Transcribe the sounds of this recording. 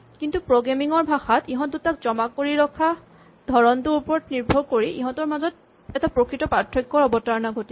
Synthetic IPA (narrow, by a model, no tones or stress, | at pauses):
kintupɹoɡemiŋɔɹbʱaxatiɦɔ̃ndutak̚zɔmakoɹiɹɔkʰːa | dʱɔɹɔnduɹupɔɹɔtniɹbʱɔɹkoɹiʔiɦɔ̃tɔɹmazɔt̚ | ɛtapɹokɹitɔpatʰːɔkːɔɹɔbɔtaɹnaɡʱoti